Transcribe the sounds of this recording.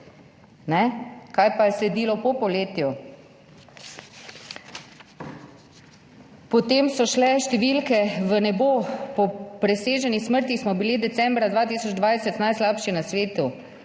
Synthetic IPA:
nɛkajpajɛslɛd̪iːlɔpɔpɔleːt̪ju | pɔt̪eːmsɔʃlɛʃt̪ɛʋilkɛʋənɛbopɔpɾɛseːʒɛnisməɾt̪ixsmɔbilid̪ɛt̪sɛmbɾad̪ʋaːt̪iːsɔd͡ʒd̪ʋajsɛt̪najslaːpʃinasʋeːt̪u

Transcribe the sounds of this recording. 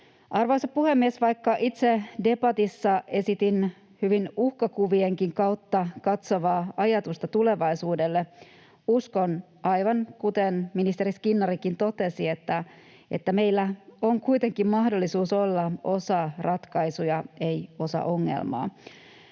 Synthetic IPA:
ʔɑrʋosɑppuhemːiesʋɑjkːɑʔit̪sede̞bɑt̪isːɑe̞sit̪in | hyʋinuhkɑkuʋieŋkiŋkɑwt̪ːɑkɑt̪so̞ʋɑːɑjɑt̪ust̪ɑt̪ule̞ʋɑisuːde̞lːe | uskon | ɑjʋɑŋkut̪enminist̪eriskinːɑrikint̪o̞t̪e̞sie̞t̪ːæ | e̞̰t̪ːæme̞ijlːæo̞ŋkujt̪e̞ŋkimmɑhdolːisuːso̞lːɑo̞sɑrɑt̪kɑjsujɑe̞jo̞sɑ̰ʔo̞ŋːḛlmɑ̰ː

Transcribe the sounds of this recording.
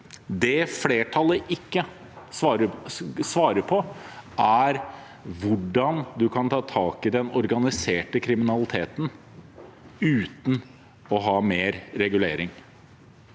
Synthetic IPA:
d̪ɛfleːʈʰɑlːəʔɪkːə | ɾsʋɑːɾəpʰɔʔæɾ | ʋʊɖɑnd̪ʉkʰɑnt̪ʰɑːt̪ʰɑːkɪd̪ɛnɔɾɡɑnɪseːʈəkʰɾɪmɪnɑlɪt̪ʰeːt̪n | ʉːt̪n̩ | ɔɦɑːmeːɾɾɛɡʉleːɾɪŋ

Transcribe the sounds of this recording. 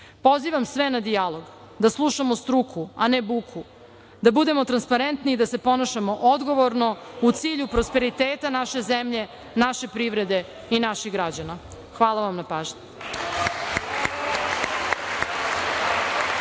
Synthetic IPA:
po̞ziʋamsʋenad̪ialo̞ɡ | d̪aslˠuʃamost̪ɾukʰuanebukʰu | d̪abud̪e̞mot̪ɾanspaɾent̪nid̪ase̞po̞naʃamo̞ʔod̪ɡo̞ʋoɾno̞ut̪siːʎupɾo̞spe̞ɾit̪eːt̪anaʃe̞zemʎe̞ | naʃe̞pɾiʋɾe̞d̪e̞ | inaʃiɣɡɾad͡ʑana | xʋaːlaʋamnapaːʒɲe

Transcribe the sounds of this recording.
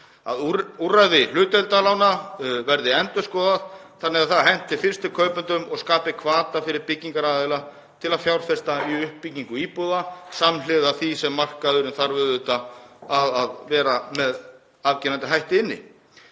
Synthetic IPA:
a̰ðuraðɪl̥ʏːt̪ɛlt̪alawnavɛɾðɪɛnt̪ʏskɔːðaðθanːɪɣaðθaðɦɛn̥t̪ɪfɪr̥st̪ʏkʰœːɥpʏnt̪ʏmɔɣskaːpɪkʰvaːt̪afɪɾɪɾpɪcːiŋkaɾaːðɛla | t̪ʰɪlaðfjawɾfɛst̪aiʏhpːiciŋkʏiːpɔðasamlɪðaθisɛmːar̥kaðʏɾɪmθaɾvʏðʏt̪aaðaðvɛːɾamɛð | avcɪnant̪ɪɦajht̪ɪnːɪ̰

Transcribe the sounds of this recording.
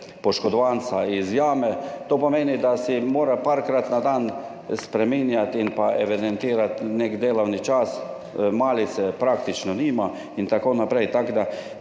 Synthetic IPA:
pɔʃkɔd̪ɔʋansaizjaːmɛt̪oːpɔmeːnid̪asimoːɾapaɾkɾat̪nad̪an | spɾɛminjat̪inpaɛʋɛd̪ɛnt̪iːɾat̪nekd̪eːlɔwnit͡ʃas | maːlit̪sɛpɾakt̪it͡ʃnɔniːma | int̪akoːnapɾejt̪aɡd̪a

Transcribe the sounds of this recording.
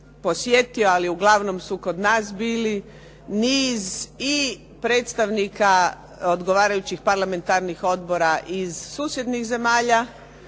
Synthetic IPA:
po̞sje̞t̪io̞aliuɡlaʋno̞msuko̞d̪naːsbiːli | niːzi | pɾe̞ːt̪st̪aʋnikʰa | od̪ɡoʋaːɾajut͡ɕixpaɾlˠame̞nt̪aɾnixo̞d̪bo̞ɾaʔizsuːsje̞d̪nixze̞maːʎa

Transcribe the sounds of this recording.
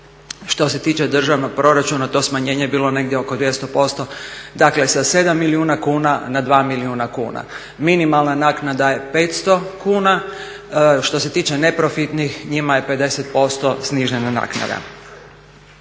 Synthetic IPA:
ʃt̪o̞se̞t̪iːt͡ʃe̞d̪r̩ʒaʋno̞ɡ̚pɾo̞ɾat͡ʃunat̪o̞ːsmaɲe̞ːɲebiːlo̞ne̞ɡ̚d̪ʲjeokod̪ʋje̞st̪opo̞st̪o̞d̪akle̞sase̞d̪amːiliuːnakuːnanad̪ʋaːmiliuːnakṵːna̰ | minimalˠnanaknad̪aje̞peːt̪st̪o̞kuːna | ʃt̪o̞se̞t̪iːt͡ʃe̞ne̞pɾo̞fit̪nixɲimaje̞pe̞d̪e̞set̪̚po̞st̪o̞sniʒenana̰kna̰d̪a̰

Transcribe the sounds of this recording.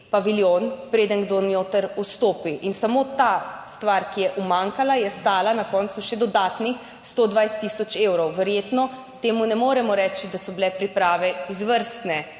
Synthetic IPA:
paʋiljonpɾeːd̪ənɡd̪onjoːt̪əɾust̪oːpiʔinsamot̪ast̪ʋaɾkijɛʔumaŋkalajɛst̪aːlanakɔnt̪suʃɛd̪ɔd̪aːt̪ni | st̪od̪ʋajst̪isɔt͡ʃewɾɔwʋɛɾjeːt̪nɔ | t̪eːmunɛmoːɾɛmɔɾɛːt͡ʃid̪asɔbilɛpɾipɾaːʋɛizʋəɾst̪nɛ

